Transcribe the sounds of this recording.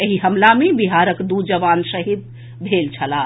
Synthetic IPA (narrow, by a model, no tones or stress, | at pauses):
eɦiɦəmlamebiɦaɾəkd̪ud͡ʒəʋansəɦid̪̚ | bʱelt͡ʃʰəla